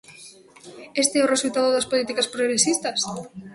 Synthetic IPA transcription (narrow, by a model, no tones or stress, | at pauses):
est̪eɛoresult̪aðoðɐspolit̪ikɐspɾoɣɾesist̪ɐs